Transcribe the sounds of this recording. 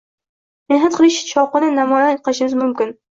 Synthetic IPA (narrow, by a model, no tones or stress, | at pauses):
nɪɦat̪̚qʰɨlˠɪʃt͡ʃʰɒqɨnɪnamɒjanqʰɨlɪʃɪmɪzmʊmkʲɪn